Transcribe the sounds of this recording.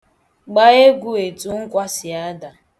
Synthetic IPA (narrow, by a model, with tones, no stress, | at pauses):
ɡ͡ba˦e˦ɡu˦e˨tu˨ŋ̩˦kʷa˦sɪ˨a˦da˨